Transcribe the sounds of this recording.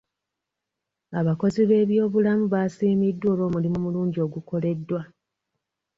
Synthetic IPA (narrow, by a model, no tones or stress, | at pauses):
aβako̞ziβe̞ːβjo̞ːβulamuβaːsiːmidːo̞ːlo̞ːmulimumuluːɲɟio̞ɡuko̞le̞dːwa